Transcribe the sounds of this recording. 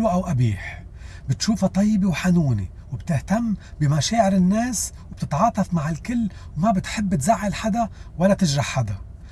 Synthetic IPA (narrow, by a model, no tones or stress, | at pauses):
ʔawʔabiːħbɪt̪ʃuːfat̪ˤɑjːbiwħanuːnḭ | wɪb̚t̪ɪht̪amːbimaʃaːʕɪɾɪnːeːs | wb̥̚t̪ɪt̪ʕɑːt̪ˤɑfmaʕɪlkɪlːwmabɪt̪ħɪbːɪt̪zaʕːalħad̪awalːat̪ɪʒɾɑħħad̪a